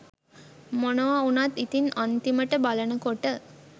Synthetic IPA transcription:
monəʋaunat̪ːit̪inant̪iməʈəbalənəkoʈə

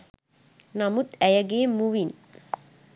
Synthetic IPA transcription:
namut̪ɛjəɡeːmuʋin

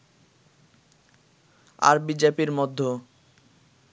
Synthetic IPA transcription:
a̰ɾbid͡ʑepiɾmɔd̪ʱːo

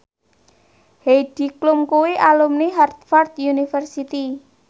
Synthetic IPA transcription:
hejd̥i̤klumkuwiʔalumniɦart̪̚fɔrt̪junifərsit̪i

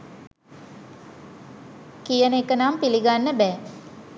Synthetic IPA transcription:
kijənəekənampiliɡanːəbɛː

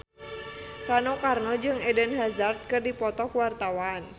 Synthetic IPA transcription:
ranokarnɔd͡ʒɨŋɛdənɦazart̪̚kɨrdipɔt̪ɔkwart̪awaːn

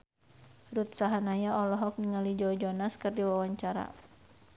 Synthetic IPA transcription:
rut̪̚saɦanajaʔɔlɔɦɔk̚niŋalid͡ʒɔd͡ʒɔnaskɨrdiwawaɲt͡ʃaɾa̰

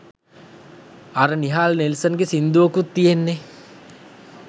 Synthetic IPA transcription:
aɾəniɦaːlnelsənɡesind̪uʋokut̪ːijenːe

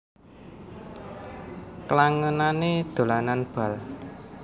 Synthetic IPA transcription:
kəlaŋənaned̪̥o̤lananb̥a̤l

